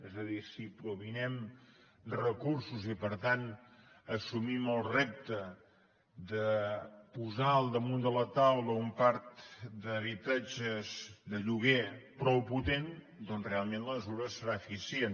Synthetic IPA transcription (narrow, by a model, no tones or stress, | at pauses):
ɛzəðisipɾuβinɛm | rəkuɾsuzipəɾt̪an | əsumiməlˠrep̚t̪ə | d̪əpuzaəlˠd̪əmund̪ələt̪awləumpaɾt̪d̪əβit̪ad͡ʒəzd̪əʎuɣ̞epɾɔwput̪en | d̪ɔnzrealˠmenləməzuɾəsəɾaəfisijen